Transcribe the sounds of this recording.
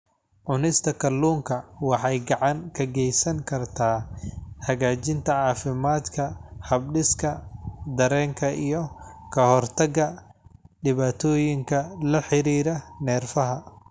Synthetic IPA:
ʕʊnɪst̪ʰɐkʰɐlːuːŋkʰɐwɑħɑjɡɑʕɑŋkʰɐɡɛjsɐŋkʰɐrt̪ʰaːhɐɣaːt͡ʃɪnt̪ʰɐʕɑːfɪmaːd̪kʰɐhɐbɖɪskʰɐd̪ɐɾɛːŋkʰɐʔijɔkʰɐhɔrt̪ʰɐɣɐ | ɖɪβaːt̪ʰɔːjɪŋkʰɐlɐħɪɾiːɾɐnɛːrfɐɦɐ

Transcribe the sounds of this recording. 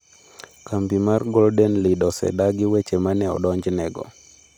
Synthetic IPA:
kambimarɡɔldɛnlidɔsɛ̰daɡɪwet͡ʃemanɛɔ̰dɔɲd͡ʒnɛɡɔ̰

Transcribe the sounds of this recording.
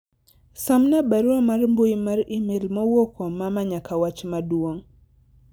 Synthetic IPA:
samnabaɾuamarmbojimaɾimelmowokʰomamaɲakawat͡ʃmadwoŋ

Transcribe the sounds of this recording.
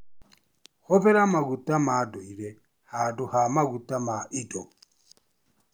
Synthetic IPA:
hɔpɛɾamaɣutamadɔiɾɛ | haduhamaɡutamaʔidɔ

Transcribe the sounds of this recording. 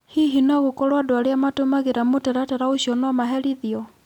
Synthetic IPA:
hiɦinaɣokɔɾwadwaɾeamatomaɣeɾamotɛɾatɛɾaoʃiɔnwamaɦɛɾiðiɔ

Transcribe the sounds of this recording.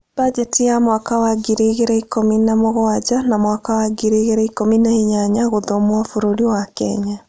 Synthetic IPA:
b̥ad͡ʒetijamwakawaɡiɾeɣeɾɛikominamoɣoad͡ʒanamwakawaɡiɾeɣeɾaikominaiɲaɲaɣoðomoafoɾoɾiwakɛ̰ɲa

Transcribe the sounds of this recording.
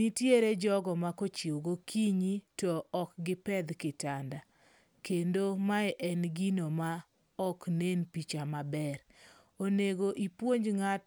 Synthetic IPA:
itjeɾed͡ʒɔɡɔmakot͡ʃjoɡokʰiɲitɔɔkɡɪpɛd̪kɪtanda | kendomaɛʔɛnɡinoma | ɔknenpit͡ʃamabɛɾ | oneɡoʔipwoɲd͡ʒŋat

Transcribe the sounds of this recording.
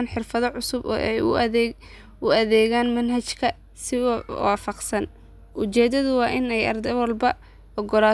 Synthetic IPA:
nħɪrfɐðɔʕʊsʊb̰ʔɛj | ʊɐðɛːɣaːnmɐnɦɐt͡ʃkʰɐ | sɪwɑːfɑqsɐn | ʔʊt͡ʃɛːd̪ɐðʊwɑːʔɪnɛjɐrd̪ɛwɐlbɐ | ʔɔɡɔlaː

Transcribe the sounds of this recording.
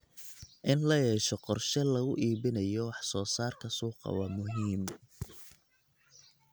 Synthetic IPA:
ʔɪnlɐjɛːʃɔqɔrʃɐlɐɣʊʔiːβɪnɐjɔwɑħsɔːsaːrkʰɐsuːqɑ̰wɑmʊɦiːm

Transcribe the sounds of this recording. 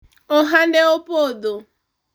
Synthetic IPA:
ɔɦandɛɔpɔd̪o

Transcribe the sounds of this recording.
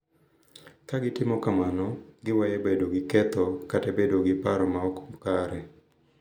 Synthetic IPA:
kaɡɪtɪmɔkamanɔɡɪwajɛbedoɡɪkɛt̪ɔkatebedoɡɪpaɾɔmaɔko̥mkaɾɛ

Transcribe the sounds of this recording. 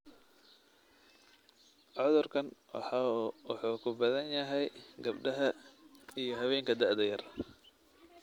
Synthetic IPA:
ʕɔðʊrkʰɐnħwɑ̰ħuːkʰʊbɐðɐnjɐɦɛjɡɐbɖɐɦɐijɞɦɐβɛːŋkʰɐd̪ɐʔd̪ɐjɐr

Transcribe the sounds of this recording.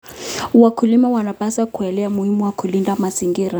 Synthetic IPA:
wakʰulimawanapasakʰuɛlɛamuhimuwakʰulindamasiŋɡiːɾa

